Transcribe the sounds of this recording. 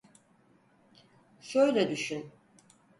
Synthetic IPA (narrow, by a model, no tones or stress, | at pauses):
ʃøjlʲɛd̪yʃyn